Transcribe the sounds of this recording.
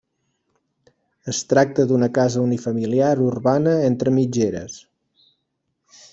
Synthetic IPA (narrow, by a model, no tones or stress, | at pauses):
əst̪ɾak̚t̪əd̪unəkazəunifəmiliaɾurβanəent̪ɾəmid͡ʒeɾə̰s